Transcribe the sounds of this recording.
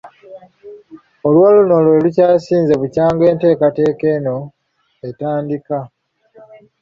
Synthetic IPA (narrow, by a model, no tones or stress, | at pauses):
olwoːluno̞lwe̞lucaːsiːnze̞βucaːŋɡe̞ːnte̞ːkate̞ːke̞no̞ | e̞taːndika